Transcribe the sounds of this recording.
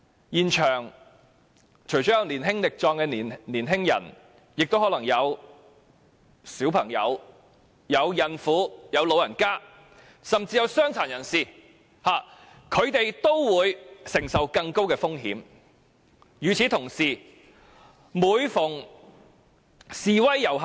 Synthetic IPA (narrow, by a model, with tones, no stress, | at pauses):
jiː˨˩nt͡ʃʰœː˨˩ŋ | t͡ʃʰɵ˨˩ɥt͡ʃɔː˨˥jɐ˨˧wniː˨˩nɦɪ˥ŋlɪ˨k̚t͡ʃɔː˧ŋkɛː˧nː˨niː˨˩nɦɪ˥ŋjɐ̰˨˩n | jɪ˨k̚t̪o˥whɔ˨˥lɐ˨˩ŋjɐ˨˧w | siː˨˥wpʰɐ˨˩ŋjɐ̰˨˧w | jɐ˨˧wjɐ˨nfuː˨˧jɐ˨˧wlo˨˧wjɐ˨˩nkaː˥ | sɐ˨mt͡siː˧jɐ˨˧wsœː˥ŋt͡sʰaː˨˩njɐ˨˩nsiː˨ | haː˨ | kʰɵ˨˧ɥt̪e˨jt̪o˥wwuː˨˧jsɪ˨˩ŋsɐ˨wkɐ˧ŋko˥wkɛː˧fʊ˥ŋɦḭː˨˥m | jyː˨˩t͡sʰiː˨˥t̪ʰʊ˨˩ŋsiː˨˩ | muː˨˧jfʊ˨˩ŋ | siː˨wɐ˥jːɐ˨˩w